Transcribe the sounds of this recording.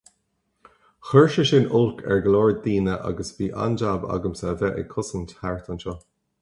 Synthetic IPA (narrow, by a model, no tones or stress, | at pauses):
xɜɹʃəʃɪnʊlkʰɛ̰ɹɡəlɔːɹd̪̚d̪iːnəʔa̰ɡəsviːʔa̰nd͡ʒaba̰ɡəmsavɛʔə̰kʰʊsənthaɹt̪ʰanʃɔː